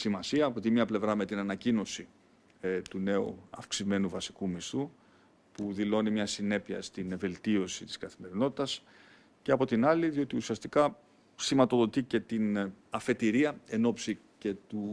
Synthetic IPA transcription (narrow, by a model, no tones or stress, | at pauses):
simɐsiɐːpot̪imɲɐple̞vɾɐme̞t̪inɐnɐcino̞si | t̪une̞ṵɐ̰fksime̞nuvɐsikumist̪u | puðilo̞nimɲɐsine̞piɐ̰st̪inve̞lt̪io̞sit̪i̥skɐθime̞ɾino̞t̪i̥t̪ɐs | ce̞ɐpo̞t̪inɐliðio̞t̪iusiɐst̪ikɐ | simɐt̪o̞ðo̞t̪ice̞t̪inɐfe̞t̪iɾiɐe̞no̞psi | ce̞t̪u